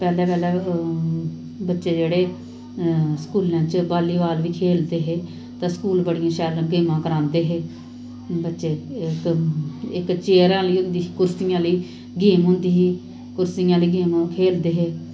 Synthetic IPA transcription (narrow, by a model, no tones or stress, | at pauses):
pɛːlɛːpɛːlɛː | bətːʃeːd͡ʒeːɽeː | skuːlãːt͡ʃbaːliːʋaːlʋiːkʰeːld̪eːɦeː | t̪ãːskuːlbəɽijãːʃaːlɡeːmãːkəɾãːnd̪eːɦeː | bətːʃeːk | ɪkt͡ʃeːɾãːləiːʊ̃nd̪iːkʊɾsiːjãːləiː | ɡeːmɦʊ̃nd̪iːɦiː | kʊɾsijãːləiːɡeːmãːkʰeːld̪eːɦeː